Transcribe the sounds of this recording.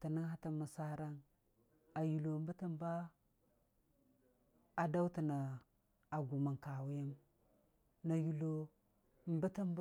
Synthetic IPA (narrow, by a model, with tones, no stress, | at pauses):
ta˨ni˦ŋha˦ta˦ma˨sa˦ɾa˦n | a˨ju˨lo˨m˦ba˦ta˦m˦ba˦ | a˨da˦wti˨na˨ | a˨ɡu˨ma˨ŋka˨wu˦ja˦m | na˨ju˨lo˦˨ | mba˦ta˦m˦b